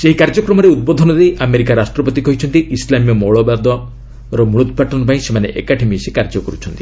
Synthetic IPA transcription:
seɦikaɾd͡ʒɔkɾɔmɔɾeud̪̚bɔd̪ʱɔnɔd̪ejʔameɾikaɾasʈɾɔpɔt̪ikɔjt͡ʃʰɔnt̪iʔislamijɔmɔɭɔbad̪ɔ | ɾɔmuɭut̪ʰpaʈɔnɔpaĩsemanḛʔekaʈʰemisekaɾd͡ʒɔkɔɾut͡ʃʰɔnt̪i

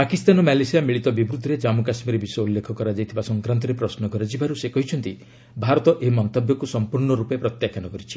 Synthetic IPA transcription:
pakist̪anɔmalesijamiɭit̪ɔbibɾud̪ʱɔɾed͡ʒamukasmiɾebisɔjɔulːekʰɔkɔɾad͡ʒajt̪ʰibasɔŋkɾant̪̬ɔɾepɾɔsnɔkɔɾed͡ʒibaɾusekɔɦit͡ʃʰɔnt̪i | bʱaɾɔt̪ɔʔemɔnt̪ɔbjɔkusɔmpuɾɳɔɾupepɾɔt̪jakanɔkɔɾit͡ʃʰi̥

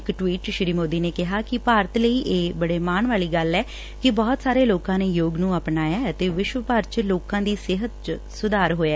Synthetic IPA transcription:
kʈʋiːʈʃɾiːmoːd̪iːneːkɪɦaːkɪpaːɾət̪ləiːʔeːbəɽeːmaːɳʋaːliːɡəlɛː | kɪbɔːt̪saːɾeːloːkãːneːjoːɡnũːəpnaːjaːət̪eːʋɪʃʋəpəɾt͡ʃloːkãːd̪iːsɪɦət̪t͡ʃ | sʊd̪aːɾɦoːaː

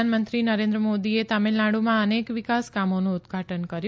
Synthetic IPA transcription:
anmənt̪ɾinəɾẽnd̪ɾəmod̪iet̪amelːaɽumãənekʋɪkaskamonũːd̪ɡʱaʈənkəɾj

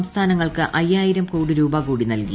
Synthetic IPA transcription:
mst̪ʰaːnɐŋːɐɭkɨʔʔɐjːaːjiɾɐmkuːɽiɾuːbɐkuːɽinɐlkḭ

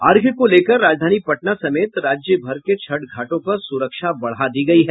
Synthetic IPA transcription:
aːɾɡʱəkoleːkəɾːaːd͡ʒd̪ʱaːnipɐʈnasɐmeːt̪ɾaːd͡ʒjəbʱɐɾket͡ʃʰɐʈɡʱaːʈõpɐɾsʊɾəkʃabɐɽ̤ad̪iɡɐiɦɛː

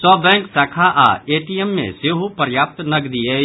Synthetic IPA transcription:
sɔːbɛ̃ːŋksaːkʰaʔa̰ːeːʈijemːḛ̃seɦupəɾjaːp̚t̪nɐɡd̪ie

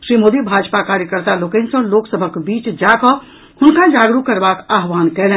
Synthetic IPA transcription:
ʃɾimod̪ibʱad͡ʒpakaɾjəkəɾt̪alokɛnsə̃loksəbʱəkbit͡ʃd͡ʒakɔ | hunkad͡ʒaɡɾukːəɾbakaɦʋankɛlɛ

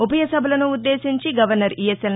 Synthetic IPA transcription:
upɐjɐsɐbʱɐlɐnuːdd̪ːe̞ːʃiɲt͡ʃiɡɐʋɐɾnɐɾiːesel

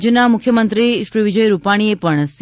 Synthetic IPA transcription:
d͡ʒjənamʊkʰjəmənt̪ɾiʃɾiʋid͡ʒəjɾupaɽ̃iepəɳstʰ

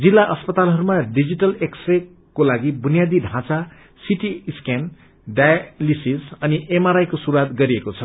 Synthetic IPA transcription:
d͡zilːaʔʌspʌt̪alɦʌɾumaɖid͡ziʈʌleksre | kolaɡibunijad̪iɖʱãt͡sa | siʈiiskan | ɖajalisisʌniʔemaɾajkosuɾwat̪ɡʌɾiekot͡sʰʌ

